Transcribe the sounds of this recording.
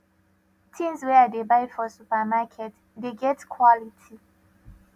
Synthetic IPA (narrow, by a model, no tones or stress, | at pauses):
tʰĩnzwɛadebaɪdfɔsupəmakʰɛt | deɡɛtkʰwɔlitʰi